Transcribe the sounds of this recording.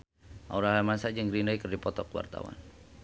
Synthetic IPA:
ʔa̰uɾaɦamasad͡ʒaŋɾinaikərdipɔt̪ɔkwa̰rt̪a̰wa̰n

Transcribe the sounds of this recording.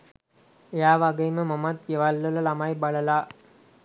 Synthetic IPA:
jaːʋɐɡɐjmɐmɐmɐt̪̚jɐʋɐlːulɐlɐmajbɐɭɐlaː

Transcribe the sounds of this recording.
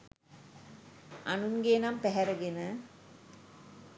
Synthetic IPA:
anuŋɡeːnampɛɦɛɾəɡenə

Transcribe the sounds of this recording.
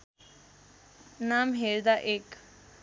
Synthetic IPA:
naːmɦeːɾd̪aʔek

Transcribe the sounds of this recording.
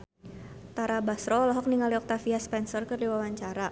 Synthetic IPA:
t̪aɾabasɾɔlɔɦɔk̚niŋaliɔk̚t̪afiaspɛnsɔrkərdiwawaɲt͡ʃaɾa

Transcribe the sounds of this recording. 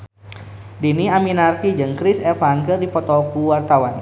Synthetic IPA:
diniaminart̪id͡ʒɨŋkɾisɛfaŋkərdipɔt̪ɔkuwart̪awan

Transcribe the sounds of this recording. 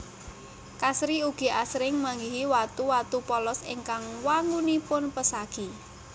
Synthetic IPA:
kasɾiuɡ̥i̤ʔasɾɪŋmaŋɡiɦiwat̪uwat̪upɔlɔsɪ̰ŋkaŋwaŋɡunipʊnpəsaɡ̥i

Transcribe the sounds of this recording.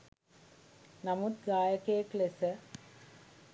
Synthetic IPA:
namut̪ɡaːjəkejəklesə

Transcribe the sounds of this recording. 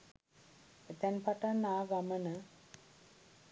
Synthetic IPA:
et̪ɛnpaʈanːaːɡamənə

